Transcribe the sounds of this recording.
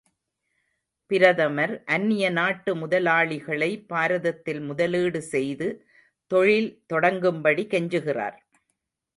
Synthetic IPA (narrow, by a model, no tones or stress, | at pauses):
pɪɾɐðɐmɐɾʔɐnːɪjɐnaːʈːɯmʊðɐlaːɭɪɣɐɭɐɪpːaːɾɐðɐt̪ːɪlmʊðɐlɯːɽɯsɛjðɯ | t̪ɔɻɪlt̪ɔɽɐŋɡɯmbɐɽikɛɲd͡ʒɯɣɪra̰ːɾ